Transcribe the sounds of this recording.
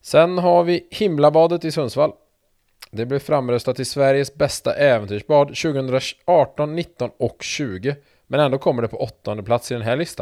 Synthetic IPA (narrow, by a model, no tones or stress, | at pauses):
sɛnɦaɾvɪhɪmlabɑːd̪ət̪ɪsɵnsval | d̪ɛblɪɾfɾamːɾœst̪at̪ːɪsvæɾjəsbɛst̪a̰ʔɛːvənt̪ʰyːʂbɑːd̪ɕʉ̟ːɡəhɵnd̪ɾaɑːʈɔnːɪt̪ːɔnɔkɕʉ̟ːɡə | mɛnɛnd̪oːkʰɔmːəɖɛpʰɔʔɔt̪ːɔnd̪əpʰlat̪sɪld̪ɛnɦæːɭɪst̪a̰n